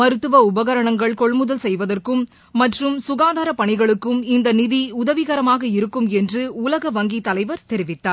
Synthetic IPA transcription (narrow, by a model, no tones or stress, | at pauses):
mɐɾɯt̪ːɯʋɐʊbɐɣɐɾɐɳɐŋɡɐɭkɔɭmɯðɐlsɛjʋɐðɐrkɯmː | ɐʈrɯmsʊɣaːðaːɾɐpɐɳɪɣɐɭɯkːɯmɪnd̪ɐnɪðiʊðɐʋɪɣɐɾɐmaːɣɐɪɾɯkːɯmɛndrɯʊlɐɣɐʋɐŋɡit̪ːɐlɐɪʋɐɾt̪ɛɾɪʋɪt̪ːaːɾ